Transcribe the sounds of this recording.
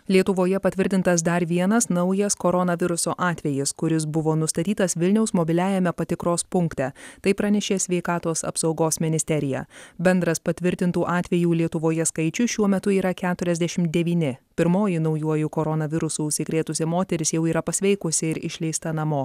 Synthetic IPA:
lʲiɛt̪ʊʋoːjɛpɐt̪ʲʋʲɪɾʲt̪ʲɪnt̪ɐs̬d̪ɐɾʋʲiɛnɐsnɐʊjɛskoɾɔnɐʋʲɪɾʊsoːʔɑːt̪ʲʋʲɛjɪskʊɾʲɪs̬bʊʋoːnʊst̪ɐt̪ʲiːt̪ɐsʋʲɪlʲnʲɛʊsmobʲɪlʲæːjɛmʲɛpɐt̪ʲɪkɾoːspʊŋkt̪ʲɛt̪ɐɪpɾɑːnʲɛʃʲeːsʲʋʲɛɪkɑːt̪oːsɐ̰psɒʊɡoːsmʲɪnʲɪsʲt̪ʲɛɾʲɪjæ̰bʲɛnd̪ɾɐspɐt̪ʲʋʲɪɾʲt̪ʲɪnt̪uːʔɑːt̪ʲʋʲɛjuːlʲiɛt̪ʊʋoːjɛskɐɪt͡ʃʲʊʃʲuɔmʲɛt̪ʊiːɾɐkʲæːt̪ʊɾʲɛzʲd̪ʲɛʃʲɪmd̪ʲɛʋʲiːnʲɪpʲɪɾmoːjɪnɒʊjuɔjʊkoːɾɔnɐʋʲɪɾʊsuːʊʃʲsʲɪkɾʲeːt̪ʊsʲɛmoːt̪ʲɛɾʲɪsjɛʊiːɾɐpɐsʲʋʲɛɪkʊsʲɪɪɾɪʃʲlʲɛɪst̪ɐnɐmoː

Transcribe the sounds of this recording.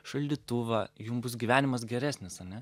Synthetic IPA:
ʃɐlʲd̪ʲit̪ʊʋɐjʊmbʊsɡʲiʋʲæːnʲɪmɐs̬ɡʲɛɾʲæːsʲnʲɪsɐnʲɛ

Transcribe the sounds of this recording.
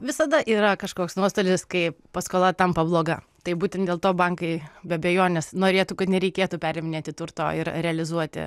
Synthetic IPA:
ʋʲɪsɐd̪ɐʔiːɾɐkɐʃkoːksnuɔst̪oːlʲɪskɐɪpɐskoːlˠɐt̪ɐmpɐblˠoːɡɐ | t̪ɐɪbuːtʲɛnt̪dʲeːlˠt̪oːbɐŋkɐɪbʲɛɐbʲɛjoːnʲɛsnoːɾʲeːt̪ukɐt̪nʲɛɾʲɛɪkʲeːt̪ʊpʲæːɾʲɛmʲɪnʲeːt̪ʲɪt̪ʊrt̪o̰ːɪɾɾʲɛɐlʲɪzuɔt̪ʲɪ̰

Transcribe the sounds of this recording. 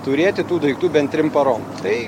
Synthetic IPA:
t̪ʊɾʲeːt̪ʲɪt̪uːd̪ɐɪkt̪uːbʲɛnt̪ʲɾʲɪmpɐɾoːmt̪ɐɪ

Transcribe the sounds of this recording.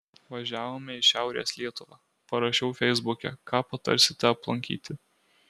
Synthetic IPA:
ʋɐʒʲæːʋoːmʲɛɪʃʲæˑʊɾʲḛːslʲiɛt̪ʊʋɑː | pɐɾɐʃʲɛʊfʲɛɪzbʊkʲɛ̰kʰɑːpɐt̪ɐ̰ɾʲsʲɪt̪ʲɛɐplˠɐŋʲkʲḭːt̪ʲɪ

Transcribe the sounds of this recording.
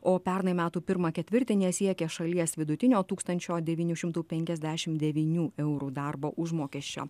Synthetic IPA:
oːpʲɛɾnɐmʲæːt̪uːpʲɪɾmɐkʲɛt̪ʲʋʲɪɾʲt̪ʲɪnʲiɛsʲiɛkʲɛʃɐlʲiɛsʋʲɪd̪ʊt̪ʲɪnʲoːt̪uːkst̪ɐnʲt͡ʃʲoːd̪ʲɛʋʲiːnʲuːʃʲɪmt̪uːpʲɛŋʲkʲɛzʲd̪ʲæːʃʲɪmd̪ʲɛʋʲiːnʲuːɛʊɾuːd̪ɑɾboːʔʊʒmoːkʲiɛʃʲt͡ʃʲo̰ː

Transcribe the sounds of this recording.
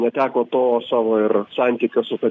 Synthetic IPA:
nʲɛt̪ʲæːkoːt̪oːsɑːʋoːɪrsɑnʲt̪ʲiːkʲosʊt̪ɐ

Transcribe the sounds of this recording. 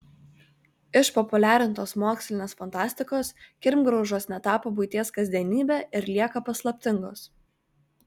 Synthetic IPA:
ɪʃpɔpʊlʲæːɾʲɪnt̪oːsmoːksʲlʲɪnʲeːsfɐnt̪ɑːsʲt̪ʲɪkoːskʲɪɾʲmɡɾɒʊʒoːsnʲɛt̪ɑːpobʊɪt̪ʲeɛskɐzʲd̪ʲiɛnʲiːbʲɛːɪɾlʲiɛkɐpɐslˠɐpʲt̪ʲɪŋɡoːs

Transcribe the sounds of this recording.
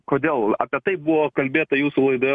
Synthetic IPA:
koːd̪ʲeːlˠɑ̰ːpʲiɛt̪ɐɪbʊʋoːkɐlʲbʲeːt̪ɐjuːsulˠɐɪd̪oː

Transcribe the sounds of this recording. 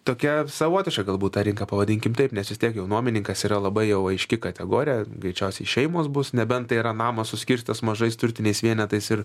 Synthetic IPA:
t̪oːkʲɛsɐʋoɔt̪ʲɪʃkɐɡɐlˠbuːt̪t̪ɑːɾʲɪŋkɐpɐʋɐd̪ʲɪŋʲkʲɪmt̪ɐɪpnʲɛsʋʲɪst̪ʲiɛkjɛʊnuɔmʲɪnʲɪŋkɐsiːɾɐlˠɐbɐɪjɛʊɐɪʃʲkʲɪkɐt̪ʲɛɡoːɾʲɪjɛɡɾʲɛɪt͡ʃʲɛʊsʲɛɪʃʲɛɪmoːsbʊsnʲɛbʲɛnt̪t̪ɐɪiɾɐnɑːmɐssʊsʲkʲɪɾʲsʲtʲɪt̪ɐsmɐʒɐɪst̪ʊrʲt̪ʲɪnʲɛɪsʋʲiɛnʲɛt̪ɐɪsɪr

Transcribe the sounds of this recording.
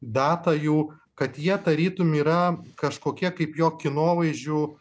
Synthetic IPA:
d̪ɑːt̪ɐjɛʊkɐt̪jiɛd̪ɐɾʲiːt̪ʊmʲiːɾɐkɐʃkoːkʲiɛkɐɪpjoːkʲɪnoːʋɐɪʒʲʊ

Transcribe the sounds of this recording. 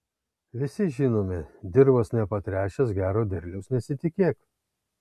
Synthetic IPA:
ʋʲɪsʲɪʒʲɪːnoːmʲɪd̪ʲɪɾbɐsnʲɛpɐt̪ʲɾʲæːʃʲɛsɡʲæːɾoːd̪ʲɛɾʲlʲɛʊsnʲɛsʲɪt̪ʲɪkʲeːk

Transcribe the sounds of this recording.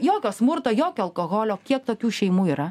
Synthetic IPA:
joːkʲoːsmʊɾt̪oːjoːkʲoːɐlˠkoːɣoːlʲoːkʲiɛk̚t̪oːkʲuːʃʲɛɪmuːiɾɐ

